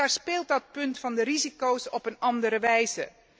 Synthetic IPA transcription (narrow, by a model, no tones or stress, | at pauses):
aːɹspɪːlˠt̚dɑt̚pɵntfɑndəɾizikowsɔpənɑndəɾəʋɛjzə